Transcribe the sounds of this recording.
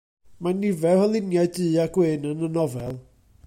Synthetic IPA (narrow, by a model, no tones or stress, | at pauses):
manivɛhəlˠɪnjaɨdɨːaɡ̥wɪnənənɔvɛlˠ